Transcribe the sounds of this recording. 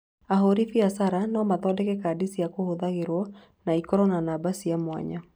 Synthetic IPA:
aɦoɾifiasaɾanɔmaðɔdɛkɛkadisijakohoðaɣeɾwɔ | naikɔɾɔnanabasijamwa̰ɲa

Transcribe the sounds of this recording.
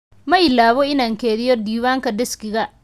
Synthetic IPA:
mɐɪlaːβɔɪnaːŋkʰɛːðɪjɔd̪iːwaːŋkʰɐɖ̪ɪskɪɣɐ

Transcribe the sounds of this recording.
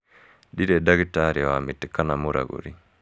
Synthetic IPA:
diɾɛdaɡitaɾiwamitikanamuɾa̰ɡṵɾi

